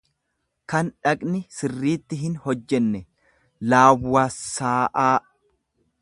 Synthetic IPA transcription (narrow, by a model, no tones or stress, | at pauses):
kɐnᶑɐkʼnɪsɪrːiːt̪ːɪɦɪnhɔd͡ʒːɛnːɛ | laːwːaːsːaːʔaː